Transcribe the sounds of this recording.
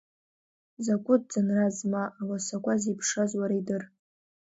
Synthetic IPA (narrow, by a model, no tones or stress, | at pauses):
zakʷʼʊd̚d͡zanrazmaʔːwasakʷʼazipʰʂazwaɾaidɨr